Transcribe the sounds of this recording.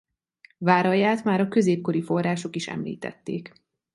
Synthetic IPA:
vaːɾɒjaːt̪maːɾɒkø̞zeːp̚ko̞ɾifo̞rːaːʃo̞kiʃɛ̰mlḭːt̪ɛ̰t̪ːḛːk

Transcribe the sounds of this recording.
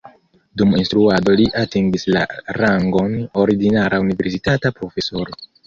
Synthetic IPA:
duminstɾuado̞liʔatiŋɡisla̰ɾaŋɡo̞no̞ɾiɡinaɾaunive̞ɾsitatapɾo̞fe̞so̞ɾo̞

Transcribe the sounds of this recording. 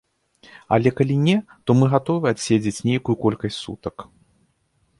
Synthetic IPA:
ɐ̰lʲɛkalʲinʲɛt̪ɔmɨɣat̪ɔvɨasʲed͡zʲet͡sʲnʲejkujukɔlʲkɐsʲtʲsṵt̪ɐk

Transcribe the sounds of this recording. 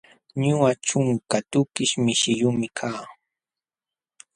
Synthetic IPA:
ɲʊaʈ͡ʂʊŋkat̪ʊkɪʃmɪʃɪʎʊmɪkʰaː

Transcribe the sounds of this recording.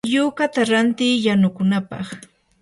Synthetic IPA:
juːkat̪aɾant̪iːjanʊkʊnapɑ̰χ

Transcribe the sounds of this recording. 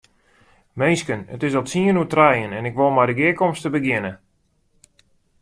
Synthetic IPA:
mejskənə̰tɪsɔtsiənutrɛjənɛnɪkʋolˠmadəɡɪəkɔmstəbəɡjɪnə

